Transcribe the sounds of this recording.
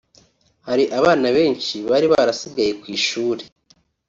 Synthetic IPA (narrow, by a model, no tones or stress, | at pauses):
haɾiʔaβaːnaβe̞ːnʃiβaɾiβaɾasiɡajekwiːʃuːɾe̞